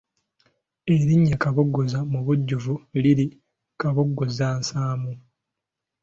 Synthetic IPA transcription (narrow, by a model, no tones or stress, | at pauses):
eɾiɲːakaβoɡːozamuβuɟːuvuliɾi | kaβoɡːozaːnsaːmu